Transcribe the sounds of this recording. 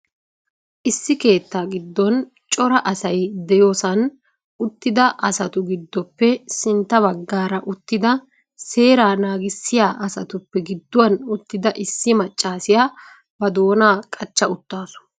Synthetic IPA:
ʔɪsːɪke̞ːt̪ːaːɡɪd̪ːɔn | t͡ʃʼɔɾɐʔɐsɐjd̪ɛjo̞ːsɐn | ʊt̪ːɪd̪ɐʔɐsɐt̪ʊɡɪd̪ːɔpːɛsɪnt̪ːɐβɐɡːaːɾɐʔʊt̪ːɪd̪ɐ | se̞ːɾaːnaːɡɪsːɪjaːʔɐsɐ̰t̪ʊpːɛɡɪd̪ːʊwɐnʊt̪ːɪd̪ɐʔɪsːɪmɐt͡ʃʼːaːsɪjaː | bɐd̪o̞ːnaːkʼɐt͡ʃːɐʊt̪ːaːsʊ̥

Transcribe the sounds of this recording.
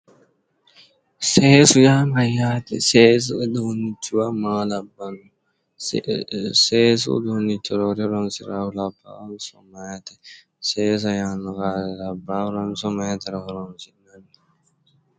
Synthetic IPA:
sɛːsujamajatɛ̰sɛs̬udonit͡ʃːiwamalabanːu | sɛsṵdonitːɔɾɔɾɛɾɔnsḭɾahulaba̰ɔnsɔ̰maːtɛ | sɛːs̬ajanɔkaɛlabaɾɔnsɔmatɛɾɔhɾɔnsinanːi

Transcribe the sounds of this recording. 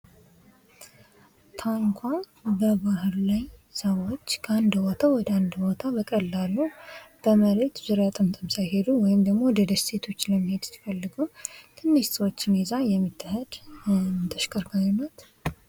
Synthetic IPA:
t̪ʰaŋkʷʰa | bəbahɾlajsəwot͡ʃːkʰəand̪bot̪ʰawɔd̪əand̪bot̪ʰabəkʼəlːalːub̥əməɾet̪zɨɾjat̪ʼɨmt̪ʼɨmsajɦe̞d̪uwɔjɪmd̪əɡmo̞d̪əd̪əsse̞t̪ʰo̞t͡ʃːləmːəhe̞d̪t̪ɨ̥fəlːɨɡət̪ʰɨnːɨʃt̪ʼwot͡ʃːɪnezajɛmːit̪ʰːəhəd̪ | t̪ʰəʃkʰʼəɾkʰaɲnat̪

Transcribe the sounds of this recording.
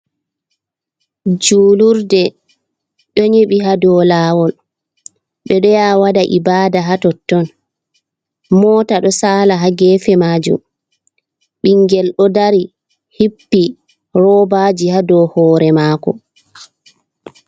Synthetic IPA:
d͡ʒuːluɾdɛ | ɗɔɲeɓiɦadɔːlaːwɔl | ɓɛɗɔjawadaʔibaːdaɦatɔtːɔn | mɔːtaɗɔsaːlaɦaɡɛːfɛmaːd͡ʒṵm | ɓiŋɡɛlɗɔdaɾi | hipːi | ɾɔbaːd͡ʒihadɔhɔːɾɛmaːkɔ̰

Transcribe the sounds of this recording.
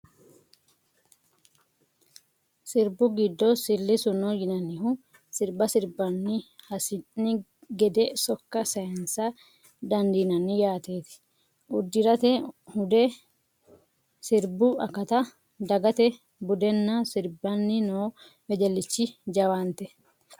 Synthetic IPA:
sɪɾbʊɡɪd̪ːosɪlːɪsʊnoːjɪnɐnːɪhʊ | sɪɾbɐsɪɾbɐnːɪhɐsɪnːɪ | ɡɛd̪ɛsɔkːɐsɐɐnsɐ | d̪ɐnd̪iːnɐnːɪjaːt̪eːt̪ɪ̥ | ʔʊd̪ːɪɾɐt̪ɛhʊd̪ɛ | sɪɾbʊɐ̰kːɐt̪ɐ | d̪ɐɡɐt̪ɛ | bʊd̪ɛnːɐsɪɾbɐnːɪnoː | mɛd͡ʒɛlːɪt͡ʃːɪd͡ʒɐwant̪ɛ

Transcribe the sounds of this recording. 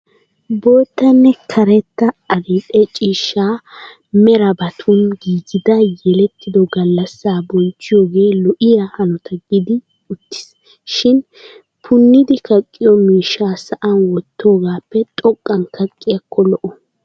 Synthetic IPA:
boːt̪ːɐnːɛkʰɐɾɛt̪ːɐɐɾɪᶑʼɛt͡ʃʼiːʃːaː | mɛɾɐbɐt̪ʰʊnɡiːɡɪd̪ɐjɛlɛt̪ʰːɪd̪ɔɡɐlːɐsːaːbɔnt͡ʃːɪjoːɡe̞ːlɔʔɪjɐhɐnɔt̪ʰɐɡɪd̪ɪ | ʊt̪ːɪ̥s | ʃɪn | pʰʊnːɪd̪ɪkɐkʼːɪjɔmiːʃːaːsɐʔɐnwɔt̪ːoːɡaːpːɛt̪ʼɔkʼːɐnkɐkʼːɪjɐkʰːɔlɔʔɔ

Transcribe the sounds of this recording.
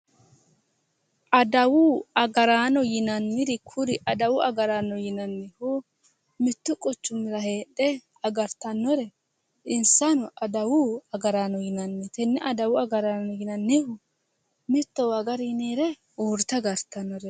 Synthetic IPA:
ʔɐd̪ɐwʊɐɡɐɾaːnɔjɪnɐnːɪɾɪkʰʊɾɪʔɐd̪ɐwʊɐ̰ɡɐɾaːnɔjɪnɐnːɪhu | mɪt̪ːʊkʼʊt͡ʃːʊmːɪɾɐɦeːɗɛ | ɐɡɐɾt̪ɐnːɔɾɛ | ʔɪnsɐnʊʔɐd̪ɐwʊɐɡɐɾaːnɔjɪnɐnːɪt̪ɛnːɛʔɐd̪ɐwʊɐɡɐɾaːnɔjɪnɐnːɪhʊ | mɪt̪ːɔwɐɡɐɾniːɾɛ | oːɾt̪ɐɡɐɾt̪ɐnːɔɾɛ

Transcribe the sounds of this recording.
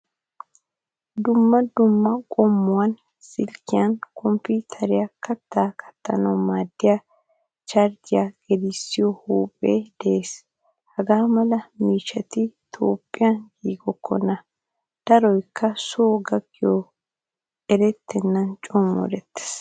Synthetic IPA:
d̪ʊmːɐd̪ʊmːɐkʼɔmːʊwɐn | sɪlkːɪjɐnkʰɔmpːiːt̪ʰɐɾɪjakɐt̪ːaːkʰɐ̥t̪ːɐnɐwmaːd̪ːɪja | t͡ʃɐɾd͡ʒ̪ɪjaɡ̥ɛd̪ɪsːɪjɔhuːpʼːeːd̪ɛʔeːs | hɐɡaːmɐlɐmiːʃɐt̪ɪt̪ʰo̰ːpʼːɪjɐnɡiːɡɔkʰːɔnɐ | d̪̥ɐɾɔjkʰːɐsoːɡɐɡːɪjɔ | ɛɾɛt̪ːɛnːɐnt͡ʃʼɔmɔ̰ɾɛt̪ːe̥s

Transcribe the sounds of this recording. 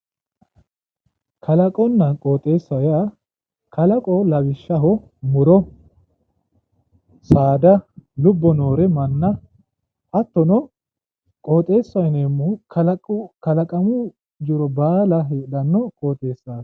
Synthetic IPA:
kʰɐlɐkʼɔnːɐnkʼoːt̪ʼe̞ːsːɐja | kʰɐlɐkʼɔlɐbɪʃːɐɦɔ | mʊɾɔ | saːd̪ɐlʊbːɔno̞ːɾɛmɐnːɐ | ʔɐt̪ːɔnɔ | kʼoːt̪ʼe̞ːsːɐjneːmʊkʰɐlkɐlɐkʼɐmʊ | d͡ʒʊɾɔbaːlɐɦeːdɐnːɔkʼoːt̪ʼe̞ːsːaːs

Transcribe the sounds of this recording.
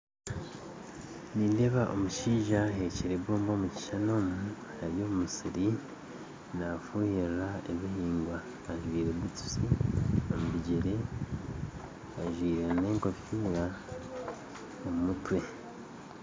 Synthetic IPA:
nindeβaʔo̰muʃiːʒaɦe̞ceɾebwoːmbo̞ːmuci̥ʃano̞mu | naɾjo̞ːmumusiɾi | nafuːhiɾɾaeβihiːŋɡwaː | ʒwiːɾeβit͡su̥siomuβiɟeɾe̞ | aʒwiːɾeneːŋko̞piːɾa | omumutwe̞

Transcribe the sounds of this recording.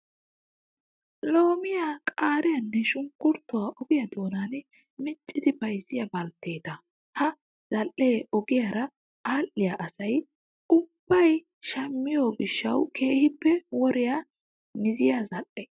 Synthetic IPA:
lo̞ːmɪjakʼaːɾɪjɐnːɛʃʊŋkːʊɾt̪ːɔwaʔɔɡɪjɐd̪o̞ːnaːn | mɪt͡ʃʼːɪd̪ɪbɐjsɪjɐbɐlt̪ːe̞ːt̪ɐ | hɐ | z̥ɐlʔːeːʔɔɡɪjaɾɐ | ʔaːlʔːɪjaʔɐsɐj | ʊb̥ːɐj | ʃɐmːɪjoːɡɪʃːɐwkʰeːhɪpːɛwɔɾɪja | mɪzɪjazɐlːɛ

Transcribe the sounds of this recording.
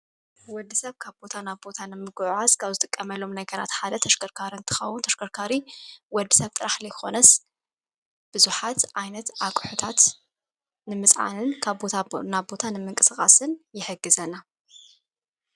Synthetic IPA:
wɔd̪ːɨsɐβkʰaβbo̞t̪ʰanaβbo̞t̪ʰanɨmɨɡʕaskʰaβzɨt̪ʼɨkʼːɐmɐlːo̞mnɐɡɐɾa̰t̪ħad̪ɐt̪ʰɐʃkʰɐɾkʰaɾint̪ʰɨ̥xɐwʊnt̪ʰɐʃkʰɐɾkʰaɾiwɔd̪ːɨsɐβt̪ʼɨɾaħlɐjxo̞̰nɐs | b̥ɨzuħat̪ʕajnɐt̪ʔakʼħut̪ʰat̪ | nɨmɨsʼʕa̰nɨnkʰaβbotnaβbo̞t̪ʰanɨmɨŋkʼɨsɨkʼa̰sɨnjɪħɨɡːɨzɐna

